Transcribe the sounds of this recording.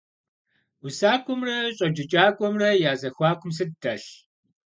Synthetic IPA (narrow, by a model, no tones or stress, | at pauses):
usaːkʷʰʊmrɐɕʼɐd͡ʒɪt͡ʃʼaːkʷʼɔmrɐjaːzɐxʷaːkʷʰʊms̬ɨddɐɬ